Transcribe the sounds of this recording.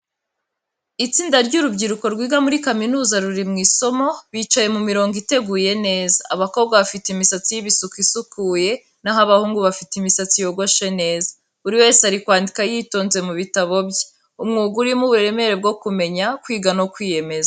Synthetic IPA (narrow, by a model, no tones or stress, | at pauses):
it͡siːndaɾɟuɾubɟiɾuko̞ɾɡwiːɡamuɾikaminuːzaɾuɾimŋiːso̞mo̞βiːt͡ʃaje̞mumiɾo̞ːŋɡite̞ɡuje̞ne̞ːzaːβakob̚ɡwaβafiteimisat͡sijiβisukisukuːje̞ | naɦaβahuːŋɡuβafitimisat͡sijo̞ɡo̞ʃe̞ne̞ːzḁ | uɾiwe̞ːsaɾikwaːndikajiːto̞ːnze̞muβitaβo̞bje | umŋuːɡuɾimuβuɾeɾe̞me̞ɾe̞b̚ɡo̞kume̞ɲakwiːɡanokwiːje̞me̞za